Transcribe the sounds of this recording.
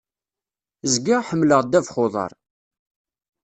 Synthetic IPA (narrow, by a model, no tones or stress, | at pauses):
zɡiʁħəmːləʁd̪ævχoðˤɑ̰ɾˤ